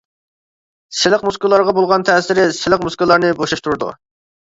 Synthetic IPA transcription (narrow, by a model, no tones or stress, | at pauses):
sɪlɪqmuskʊlˠːɑɾʁɑbolˠʁɑnt̪ʰɛsɪɾɪsɪlɪq̚muskɨlˠːɑɾnɨboʃɑʃt̪uɾud̪ṵ